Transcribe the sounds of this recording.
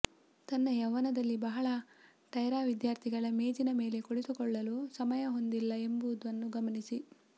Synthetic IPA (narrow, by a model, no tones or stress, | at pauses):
t̪ɐnːɐjɐʋɐnɐd̪ɐlːibɐɦɐɭɐ | ʈɐjɾaːʋid̪jaːɾt̪ʰiɡɐɭɐmeːd͡ʒinɐme̞ːle̞koɽit̪ukɔɭːɐlusɐmɐjɐɦo̞nd̪ilːɐe̞mbuud̪ʋɐnːuɡɐmɐnisi